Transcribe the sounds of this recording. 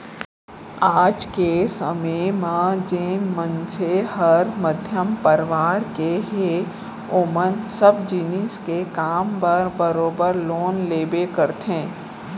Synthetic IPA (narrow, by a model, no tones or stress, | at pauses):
aːd͡ʒkesəməmãd͡ʒeːnmənsehəɾməd̪ʱjəmpəɾʋaːɾkeɦe | ʊmənsəbd͡ʒinɪskekaːmpəɾbəɾoːbəɾloːnleːbekəɾt̪ẽː